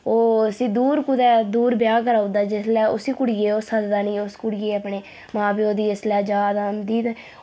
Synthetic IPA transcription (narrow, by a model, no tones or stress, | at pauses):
oːəsĩːd̪uːɾkʊd̪ɛːd̪uːɾbɪjaːk̬əɾaːod̪aːd͡ʒɪslɛːʊsiːkʊɽiːeːosəd̪d̪aːnĩːʊskʊɽijeːəpɳeː | mãːbiːoːd̪iːəslɛːd͡ʒaːd̪aːmd̪iːt̪ɛː